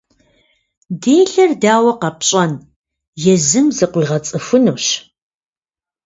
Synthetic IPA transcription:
deːɬɐrdaːwɐqɐpɕʼɐn | jɛzɨmzɨqʷʊʁɐt͡sʼɨfʊnuːɕ

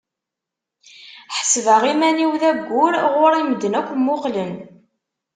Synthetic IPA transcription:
ħə̥svəʁimæniwðæɡʷːʊɾʁʊɾiməd̪ːənækʷːmːʊqlən

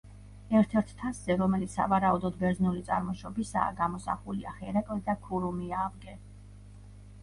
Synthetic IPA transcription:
ɛɾt̪ʰɛɾt̪ʰt̪ʰaszɛɾɔmɛlit̪ssa̰vaɾaud̪ɔd̪bɛɾznulit̪sʼa̰ɾmɔʃɔbisa̰ːɡamɔsa̰χulia̰χɛɾakʼlɛd̪akʰuɾumiavɡɛ

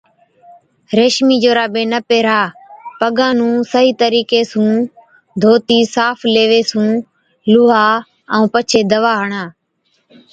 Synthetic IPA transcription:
ɾeːʃmiːd͡ʒoːɾaːbẽːnəpeːɾaːpəɠãːnũːsəɦiːt̪əɾiːkeːsũː | d̪ʱoːt̪iːsaːpʰleːʋeːsũː | lʊːɦaː | əũːpət͡ʃʰeːd̪əʋaːɦəɳaː

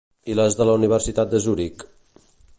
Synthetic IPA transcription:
iləzðələuniβəɾsit̪at̪̚d̪əzuɾik

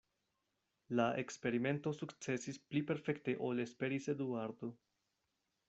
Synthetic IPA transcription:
laʔe̞kspe̞ɾime̞nto̞sukt͡se̞sisplipe̞ɾfe̞kte̞ʔo̞lespe̞ɾise̞d̪uaɾd̪o

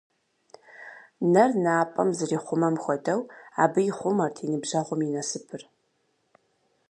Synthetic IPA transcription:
nɐrnaːpʼɐ̰mzɨriːχʷʊmɐmxʷɔdɐwa̰ːbɨjɪχʷʊmɐrtʰiːnɨbʒɐʁʷʊminɐsɨpʰɨr

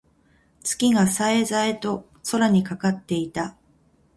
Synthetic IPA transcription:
t͡sɨ̥kʲiɡasaezaet̪o̞ | so̞ɾaɲ̟ikakat̪ːe̞it̪a

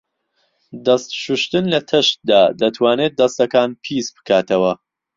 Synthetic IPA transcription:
d̪ɐst̪ʃuʃt̪ɨnlɐt̪ʰɨʃt̪̚d̪aːd̪ɐt̪ʰwaːneːt̪̚d̪ɐst̪ɐkaːnpʰisbɨ̥kʰaːt̪ʰɐwɐ

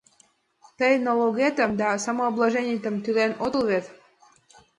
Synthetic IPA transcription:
t̪əjnoloɣet̪ə̆md̪ɑsɑmoːblˠaʒenʲit̪ə̆mt̪ylenot̪əlβet̪

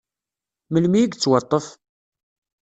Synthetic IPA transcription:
məlmiəɡt͡sːwɑt̪ˤːəf

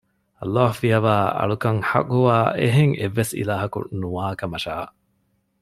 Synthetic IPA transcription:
ɐlːaːɦufiɐʋaːɐ̰ɭukɐŋħɐ̰kʼuʋaːʔeɦeŋeʋːesḭlaːɦɐkṵnuaːkɐmɐʃaːʔ

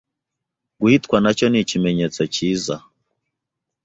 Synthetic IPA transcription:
ɡuhitkwanat͡ʃɔnit͡ʃimɛɲɛt͡sɔt͡ʃiza

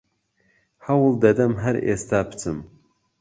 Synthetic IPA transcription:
hɐwɨlˠd̪ɐd̪ɐmɦɐɾḛst̪aːpʰɨ̥t͡sʰɨm

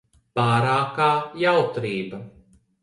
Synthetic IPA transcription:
paːɾaːkaːjawt̪ɾiːbɐ

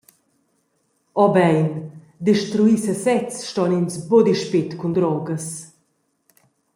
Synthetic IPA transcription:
ɔbɛjn | d̪iʃt̪ɾuisəsɛt͡sʃtɔninsbod̪iʃpit̪kund̪ɾɔɡəs

